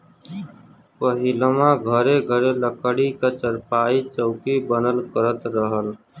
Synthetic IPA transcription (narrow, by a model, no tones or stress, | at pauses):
pəɦiləmãɡʱəɾeɡʱəɾeləkəɽikat͡ʃəɾpaːit͡ʃəʊkibənəlkəɾət̪ɾəɦəl